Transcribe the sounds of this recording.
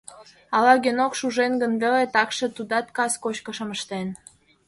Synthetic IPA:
ɑlɑɡenokʃuʒenɡənβelet̪ɑkʃĕt̪ud̪ɑt̪̚kɑskot͡ɕkə̆ʃə̆məʃt̪en

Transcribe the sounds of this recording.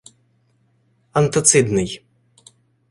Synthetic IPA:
ɐnt̪ɐt̪sɨd̪nɨj

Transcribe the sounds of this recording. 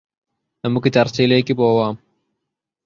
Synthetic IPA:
hɐmukit̪ɐɾsiːlekiboːwaːm

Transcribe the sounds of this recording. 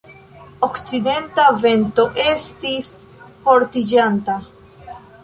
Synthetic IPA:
o̞kt͡side̞ntave̞nto̞ʔe̞stis | fo̞ɾtid͡ʒanta

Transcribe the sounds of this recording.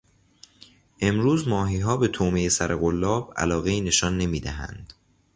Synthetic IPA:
ʔe̞mɾuːzmɒːɦiːɦɒːbe̞t̪ʰoːmejesæɾʔeɣolːɒːb̥æ̰lɒːɣe̞iːne̞ʃɒːnːe̞miːd̪æɦæ̰nd̪̥

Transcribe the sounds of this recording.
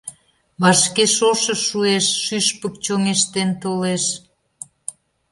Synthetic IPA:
βɑʃkeʃoʃəʃːueʃːyʃpə̆k̚t͡ɕoŋeʃt̪ent̪oleʃ

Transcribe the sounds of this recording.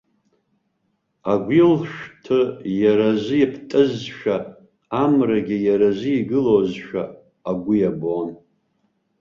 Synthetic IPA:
aɡʷilʃᶣtʰɨjaɾazʷɨipʰtʼɨzʃᶣa | amraɡʲijaɾazʷɨiɡɨlozʃᶣa̰ː | ɡʷʊjabon

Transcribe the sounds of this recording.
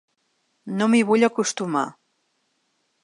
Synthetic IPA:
nomiβuʎəkust̪uma̰

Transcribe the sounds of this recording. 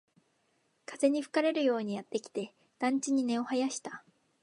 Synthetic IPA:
kʰaze̞ɲ̟iɸɯ̟̥kaɾe̞ɾɯ̟jo̞ːɲ̟ijat̪ːe̞kʲi̥t̪e̞ | d̪̥ãɲ̟t͡ɕiɲ̟ine̞o̞hajaɕi̥t̪ḁ

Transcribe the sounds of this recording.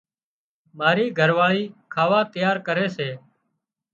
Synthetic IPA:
maːɾiːɡʱəɾʋaːɭiːkʰaːʋaːt̪əjaːɾkəɾeːseː

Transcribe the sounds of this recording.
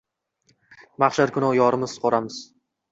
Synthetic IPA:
maχʃaɾkʲʰʊnɒwjɒɾɪmɪzqʰɒɾamɪz̥

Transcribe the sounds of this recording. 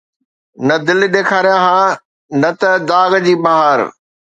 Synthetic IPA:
nɐd̪ɪl̆ɗ̪eːkʰaːɾijãɦãː | nɐt̪ɐd̪aːɡd͡ʑiːbɐɦəɾ

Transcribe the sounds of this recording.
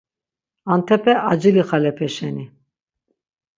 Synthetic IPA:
ant̪ʰɛpʰɛʔad͡ʒiliχalɛpʰɛʃɛni

